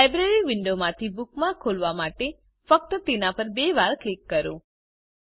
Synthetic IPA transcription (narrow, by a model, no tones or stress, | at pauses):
lajbɾeɾiʋɪɳɖomãt̪ʰibukmãkʰolʋamaʈe | fək̚t̪ət̪enapəɾbeʋaɾklikːəɾõ